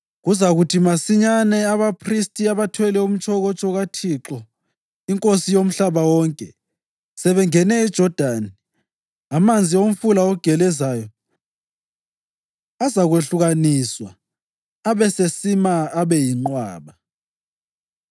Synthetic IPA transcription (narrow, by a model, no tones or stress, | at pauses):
ɣuzaɣutʰimasiɲanɛaβapʰristʼiaβatʰwɛlɛum̩t͡ʃʰʼɔɣɔt͡ʃʼɔɣatʰiǁɔ | iŋkʼosijom̩ɬaβawɔːŋkʼɛ | sɛβɛŋɛnɛid̥ʒ̥ʱɔd̥ʱani | amand͡zʱiom̩fulaɔɡ̥ʱɛlɛzaːjɔ | azaɣweɬuɣaniːswa | aβɛsesimaːβɛjiŋ͡ǃwaːβa